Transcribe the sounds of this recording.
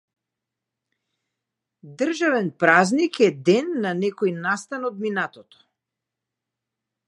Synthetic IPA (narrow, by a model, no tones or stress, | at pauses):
d̪rʒavɛnpɾaznikɛd̪ɛnːanɛkɔjnast̪anɔd̪minat̪ɔt̪ɔ̥